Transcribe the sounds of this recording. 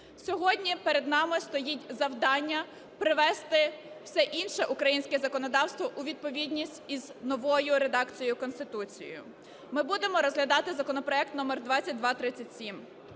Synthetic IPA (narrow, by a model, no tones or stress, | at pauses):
sʲɔɦɔdʲnʲipeɾed̪nɑmɪst̪ɔjitʲzɐwd̪ɑnʲːɐ | pɾɪʋɛst̪ɪ | w̥sɛʔinʃɛʔukɾɐjinʲsʲkɛzɐkɔnɔd̪ɑwst̪ʋɔʔʊʋʲid̪̚pɔʋʲidʲnʲisʲtʲiznɔʋɔjʊɾed̪ɑkt͡sʲijʊkɔnst̪ɪt̪ut͡sʲḭj̰jʊ̰ | mɪbud̪emɔɾɔzɦlʲɐd̪ɑt̪ɪzɐkɔnɔpɾɔɛk̚t̪nɔmɛrd̪ʋɑt͡sʲɐt̚ʲd̪ʋɑt̪ɾɪt͡sʲːɐtʲsʲim